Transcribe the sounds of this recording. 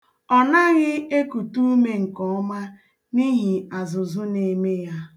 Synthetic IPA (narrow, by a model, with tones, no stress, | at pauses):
ɔ˨na˦ɣɪ˦e˦ku˨tu˦me˦˨ŋ̩˨kɔ˨ɔ˦ma˦ | ni˦ɦi˨a˨zʊ˨zʊ˦ne˨me˦ja˦